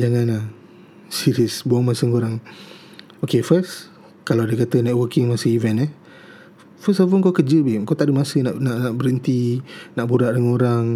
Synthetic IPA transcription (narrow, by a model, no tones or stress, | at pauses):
d͡ʒaŋãnlah | siɾiəsbuaŋmasəŋoɾaŋ | okefəs | kalawdəkat̪ənaʔwəkɪŋmasəivɛnɛ | fəsɔvəŋkokəd͡ʒəbimkawt̪aʔdəmasənaʔnaʔnaʔbəɾənt̪inaʔbuɾaʔdəŋanoɾaŋ